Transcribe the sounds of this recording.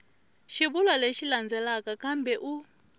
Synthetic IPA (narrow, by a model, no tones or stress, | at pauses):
ʃiβulwaleʃiland͡zɛlakʼakambɛʔu